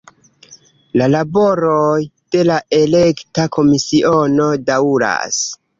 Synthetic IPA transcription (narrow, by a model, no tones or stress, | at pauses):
lalabo̞ɾojd̥e̞laele̞ktakʰo̞misiʔo̞no̞dauɾa̰s